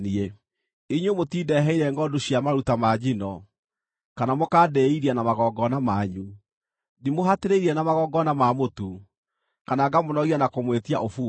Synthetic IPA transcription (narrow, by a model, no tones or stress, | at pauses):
nie | iɲwemotiːdɛɦɛiɾɛŋɡɔdoɕjamaɾutamad͡ʑinɔ | kanamokaːdɛiɾianamaɣɔɡɔnamaɲu | nimoɦateɾeiɾiɛnamaɣɔɡɔnamamotu | kanaɡamonɔɣianakomwetiaʔofuː